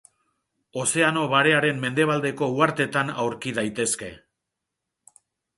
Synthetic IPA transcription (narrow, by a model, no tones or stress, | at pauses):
o̞se̞ano̞βaɾe̞aɾe̞mme̞nd̪e̞β̞ald̪e̞ko̞uaɾt̪e̞t̪anawɾkiðajt̪e̞ske̞̰